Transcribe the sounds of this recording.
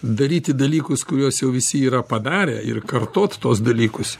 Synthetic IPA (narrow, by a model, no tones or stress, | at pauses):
d̪ɐɾʲiːt̪ʲɪd̪ɐlʲiːkʊskʊɾʲuɔsjɛʊʋʲɪsʲɪiːɾɐpɐd̪ɑːɾʲeːɪ̰rkɐrt̪oːt̪t̪uɔsd̪ɐlʲiːkʊs